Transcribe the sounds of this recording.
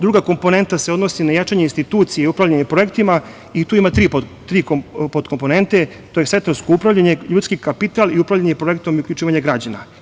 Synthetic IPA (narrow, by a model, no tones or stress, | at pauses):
d̪ɾuɡako̞mpo̞ne̞nt̪ase̞o̞d̪no̞sinajat͡ʃaɲeinst̪it̪uːt̪sijeupɾavʎaɲepɾo̞je̞kt̪ima | it̪uːimat̪ɾipt̪ɾiːkopot̪kompo̞ne̞nt̪e | t̪ojeset̪ɾonsko̞upɾaʋʎaɲe̞ʎuːt̪skikapit̪aliupɾavʎaɲepɾo̞jekt̪o̞miukʲlʎut͡ʃiːʋaɲeɡɾad͡ʑana̰